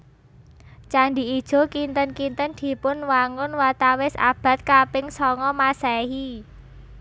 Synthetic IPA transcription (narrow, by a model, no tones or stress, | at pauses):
t͡ʃaɳɖi̤id̥ʒ̥o̤kint̪ənkint̪ənd̪̥i̤pʊnwaŋʊnwat̪awɪsa̰b̥ä̤t̪̚kapɪŋsɔŋɔmasɛɦi